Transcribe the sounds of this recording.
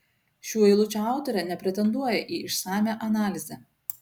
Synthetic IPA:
ʃʲuːiɪlˠʊt͡ʃʲːˑɑˑʊt̪ɔɾʲɛːˑnʲɛpʲɾʲɛt̪ʲɛnd̪uɔjɛʔiːɪʃsɑːmʲæːʔɐnɑːlʲɪzʲɛ

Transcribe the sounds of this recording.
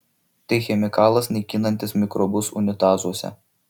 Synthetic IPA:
t̪ɐɪxʲɛmʲɪkɑːlˠɐsnʲɐɪkʲɪnɐnʲt̪ʲɪsmʲɪkɾɔbʊsʊ̰nʲɪt̪ɑːzuɔsʲɛ̰

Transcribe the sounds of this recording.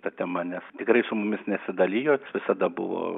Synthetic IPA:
t̪ɐt̪ʲɛmɐnʲɛst̪ʲɪkrɐɪsʊmʊmʲɪsnʲɛsʲɪd̪ɐlʲiːjoːʋʲɪsɐd̪ɐbʊ̰ʋo̰ː

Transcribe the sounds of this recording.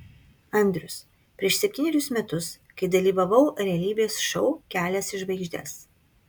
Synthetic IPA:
ɐnʲd̪ʲɾʲʊs | pʲɾʲiɛʃsʲɛpʲt̪ʲiːnʲɛɾʲʊsmʲɛt̪ʊs | kɐɪd̪ɐlʲiːʋɐʋɐʊɾʲɛɐlʲiːbʲeːsʃɔʊkʲæːlʲɛsɪʒʋɐɪɡʒʲd̪ʲɛ̰s

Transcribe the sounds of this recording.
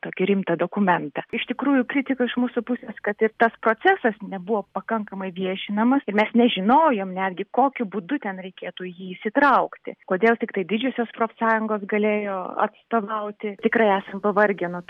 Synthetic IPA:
t̪oːkʲɪɾʲɪmt̪ɐd̪oːkʊmʲɛnt̪ɐɪʃt̪ʲɪkɾuːjʊkɾʲɪt̪ʲɪkɐɪʃmuːsʊpʊsʲeːskɐt̪ɪrt̪ɐspɾoːt͡sʲæsɐsnʲɛbʊʋoːpɐkɐŋkɐmɐɪʋʲiɛʃʲɪnɐmɐsɪrmʲɛsnʲɛʒʲɪnoːjoːmnʲæːd̪ʲɡʲɪkoːkʲʊbuːd̪ʊt̪ʲɛnɾʲɛɪkʲeːt̪uːjiːsʲɪt̪ɾɐʊkt̪ʲɪ̰koːd̪ʲeːlˠt̪ʲɪkt̪ɐɪd̪ʲɪd͡ʒʲʊsʲoːspɾoːfʲsɑːjʊŋɡoːsɡɐlʲeːjoːɐ̰t̪st̪oːʋɐʊt̪ʲɪt̪ʲɪkrɐɪæːsɐmpɐʋɐrʲɡʲɪnʊ

